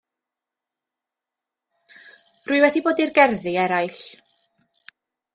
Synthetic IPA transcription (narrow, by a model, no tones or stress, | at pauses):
r̥ʊɨwɛdiboːdirɡɛrðiɛɾajɬ